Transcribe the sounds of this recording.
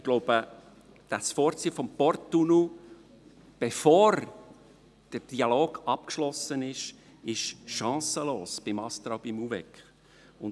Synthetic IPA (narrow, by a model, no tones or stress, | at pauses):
ɡ̥lɔʊb̥ə | d̥ɑsfɔːɾt͡siːfɔmpɔɾtːunu | b̥efoːɾ | d̥əd̥iɑloːɡ̥ɑp̚kʃlɔsənɪʃ | ɪʃʃɑ̃ːsəloːsb̥ɪmɑst̪ɾɑʊbɪmuvɛkχ | ʊn